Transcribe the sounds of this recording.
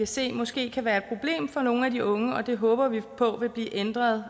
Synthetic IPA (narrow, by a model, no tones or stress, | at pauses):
æse̝̰ːmɒ̽sɡ̥e̝̰ːkʰæʋæːɐed̥̚pʰʁo̝b̥le̝̰ːmfɒ̽no̝ːn̩æd̥iʔɔ̽ŋəɒ̽d̥e̝ɦɔ̽ːb̥ɐʋipʰɒ̽ʋe̝b̥liːʔend̥ʁɐð̞ˠ